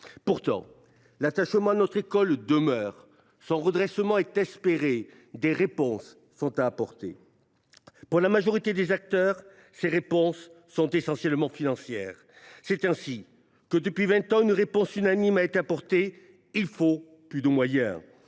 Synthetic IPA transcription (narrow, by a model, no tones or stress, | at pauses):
puʁt̪ɑ̰̃ | lat̪aʃmɑ̃anɔt̪χekɔld̪əmœːʁ | sɔ̃ʁəd̪ʁɛsəmɑ̃ɛt̪ɛspeʁe | d̪eʁepɔ̃sː | ɔ̃t̪aːpɔʁt̪ḛ | puʁlamaʒɔʁit̪ed̪ezak̚t̪œʁ | seʁepɔ̃sː | ɔ̃t̪esɑ̃sjɛlmɑ̃finɑ̃sjɛ̰ːʁ | sɛt̪ɛ̃si | kəd̪əpɥivɛ̃t̪ɑ̃ynʁepɔ̃synanimaet̪eapɔʁt̪e | ilfo | plyd̪əmwajɛ̰̃